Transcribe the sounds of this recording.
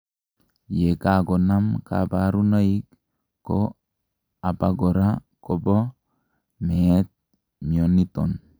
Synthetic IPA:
jekaɡonamka̰baɾunaikː | kːo | apaɡoɾakobɔ | met̪̚ | mionit̪ɔn

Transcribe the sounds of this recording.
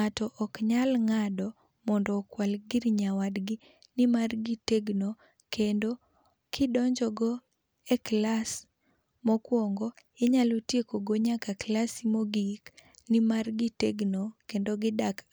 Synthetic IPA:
ŋatɔʔɔkɲalŋadɔ | mɔndɔːkwalɡɪɾɲawadɡɪ | nɪmarɡiteɡno | kendo | kʰɪdɔɲd͡ʒɔɡɔ | ɛklas | mɔkwɔŋɡɔɪɲalotjekoɡoɲakaklasimɔɡiknɪmarɡiteɡnokendoɡɪdak

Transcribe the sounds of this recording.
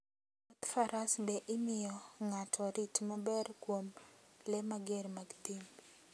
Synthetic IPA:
ɔt̪faɾasbɛʔɪmɪjɔŋatʰɔɾitmabɛrkwomlɛmaɡeɾmaɡt̪im

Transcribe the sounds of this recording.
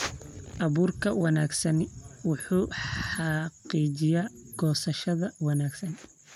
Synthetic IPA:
ʔɐβuːrkʰɐwɑnaːɡsɐnwʊħuːɑɑqiːt͡ʃɪjaɡ̥ɔːsɐʃɐðɐwɑnaːɡsɐn

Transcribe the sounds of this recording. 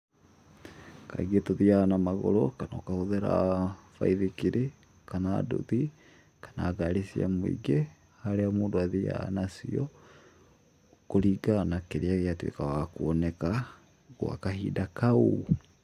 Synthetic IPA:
ka̰ɣetoðiaːnamaɣɔ̰ɾɔkanɔkahoðɛɾa̰fa̰iðekiɾʔe | kanado̰ði | kḁnaːɡaɾisia̰moḭɡe | haɾeamoːndoaðia̰nasiɔ | koɾiːɡanakeɾeaɣeatwḛkawakoɔnɛka | ɣwa̰kaɦidakau

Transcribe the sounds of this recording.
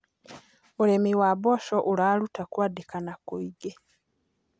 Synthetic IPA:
mulemiwaβoːʃoʔulalutakwaːdikanakuiɡe

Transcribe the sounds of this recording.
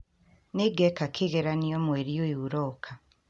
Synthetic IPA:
niɡɛkakʰiɣeɾaniɔmweɾioiuɾɔkʰa

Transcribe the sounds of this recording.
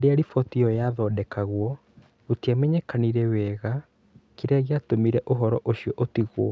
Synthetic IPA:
deaɾifɔtiɔjaðɔːdɛkaɣwɔ | otiamɛɲɛkaniɾɛwɛɣa | kiɾaɣiatomiɾɛʔoɦɔɾɔʔoɕiɔʔotiɣwɔ̰

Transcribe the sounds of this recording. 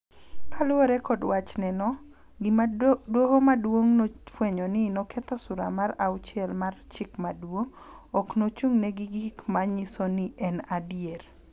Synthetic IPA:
alʊoɾɛkɔdwat͡ʃnɛnɔ | ɡɪmadwohomadwoŋnofweɲɔnɪnɔkɛt̪ɔsʊɾa̰maɾaʊt͡ʃjɛlmart͡ʃɪkmadwoŋ | ɔknot͡ʃuŋnɛɡɪɡɪkmaɲisonɪɛnadjer

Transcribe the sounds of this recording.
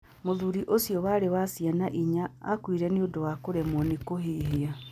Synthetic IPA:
moðuɾiʔosijɔwaːɾewasianaʔiɲa̰ːkwiɾɛneodowakoɾɛmɔnekoɦeːɦea

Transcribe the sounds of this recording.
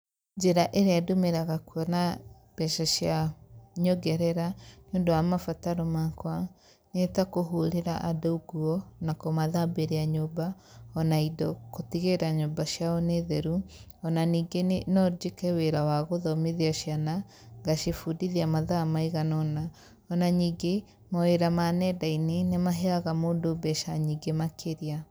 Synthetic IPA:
d͡ʒeɾaʔeɾeadomeɾaɣakuɔna | b̥ɛʃaɕjaɲoɡɛɾɛɾanjoːndowamafataɾomakwa | netakoɦuɾeɾa̰ʔadouɡuɔnakɔmaðabeɾeaɲoba | ɔnaidɔkotiɣeɾaɲobaʃijaɔneðɛɾu | ɔnaniːɡenenɔɾd͡ʒekɛweɾawaɣoðɔmeðiaʃjana | ŋɡaʃefudiðiamaðamaiɣanɔna | ɔnaɲiːɡe | maweɾamanɛdainenemaɦeaɣamoːndobɛʃaɲiːɡemakʰeɾia

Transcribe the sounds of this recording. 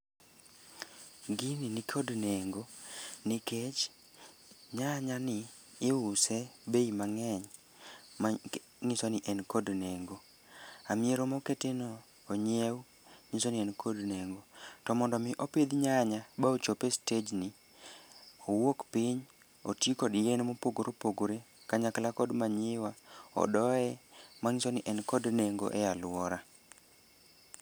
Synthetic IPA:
ɡininɪkʰodneŋɡonɪket͡ʃ | ɲaɲanɪː | ʊsɛbeimaŋɛɲ | ŋɪsonɪʔɛnkodneŋɡo | amɪeɾomɔketenoː | ɲew | ŋɪsonɪɛnkʰodneŋɡotɔmɔndɔmɪʔoped̪ɲaɲabaot͡ʃopested͡ʒnɪ | owokpɪɲ | otjekɔdjɛnmopoɡoɾopoɡoɾe | kaɲaklakɔdmaɲɪwaɔ̰dɔɛmaŋɪsonɪʔɛnkɔdneŋɡo̰ʔɛjalwɔɾa

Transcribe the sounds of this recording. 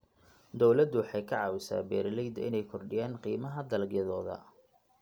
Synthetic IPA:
d̪ɔwlɐd̪wɑħɑjkʰɐʕɑːwɪsa̰ːbɛːɾɪlɛjd̪ɪ̰nɛjkʰɔrɖɪjaːnqiːmɐɦɐd̪ɐlɡjɐðɔːðɐ̰

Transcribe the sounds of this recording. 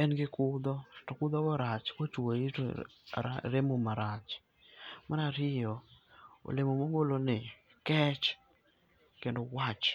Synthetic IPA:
ɛnɡɪkʊd̪ɔtɔkʊd̪ɔɡɔɾat͡ʃkwat͡ʃai | a̰ɾemomaɾat͡ʃ | manaɾɪjɔo̰lemomoŋɡolonɪ | kɛt͡ʃ | kendowat͡ʃ

